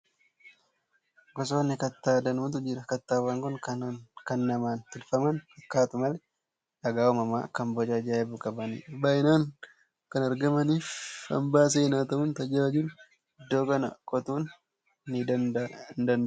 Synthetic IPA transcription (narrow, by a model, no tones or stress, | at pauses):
ɡɔs̬oːnːɪkɐt̪ːaːd̪ɐnuːt̪ʊd͡ʒɪɾɐkɐt̪ːaːwaːŋkɔŋkɐnkɐnːɐmaːnt̪ɪlfɐmɐnɐkːaːt̪ʊmɐlɛ | ɐɡaːwɔmɐma̰ːkɐmbɔd͡ʒad͡ʒaːɛbʊkʼɐbɐnḭbaʔɪnaːŋ | kɐnɐɾɡɐmɐniːfɐ̰mbaːs̬eːnaːt̪ɐʊnt̪ɐd͡ʒɐɐd͡ʒul | ɪd̪ːo̞ːkɐnɐ̰kʼɔt̪uːnː | ɪd̪ɐnd̪ɐnd